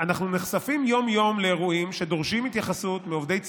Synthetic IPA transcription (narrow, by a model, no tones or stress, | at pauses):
anaχnuneχsafimjo̞mjo̞mleːʁuimʃe̞d̪o̞ʁʃimit̪jaχasut̪miovd̪e̞jt͡s